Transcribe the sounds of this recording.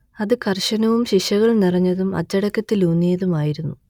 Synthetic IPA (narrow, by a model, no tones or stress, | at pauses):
ɐðɨkʰɐrʂɐnɐʋumɕiɕɐɣɐɭnirɐɲːɐðumɐ̰t͡ɕːɐɽɐkːɐt̪ːiluːnːijɐðumaːjiɾunːu